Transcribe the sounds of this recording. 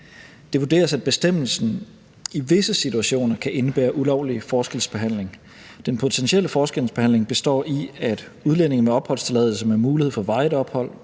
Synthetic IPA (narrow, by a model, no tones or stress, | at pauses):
d̥e̝ʋud̥e̝̰ːɐsæd̥̚b̥e̝sd̥em̰l̩sn̩ | iʋe̝səsit͡sʰuæɕo̝̰ːnɐkʰæʔe̝nəb̥æ̰ːɐʔulɒʊ̰lifɒːsɡ̥elsb̥e̝ɦæn̰le̝ŋ | d̥enpʰo̝t͡sʰenɕieləfɒːsɡ̥eln̩sb̥e̝hæn̰le̝ŋb̥e̝sd̥ɒ̰ːiæd̥ | uð̞ˠlen̰e̝ŋn̩meɒ̽b̥hɒ̽l̰st͡sʰe̝lɛðˠl̩ˠs̬əmemuːlihe̝ð̩̰ˠfɒ̽ʋɑ̈ɪðˠɒ̽b̥hɒ̽l̰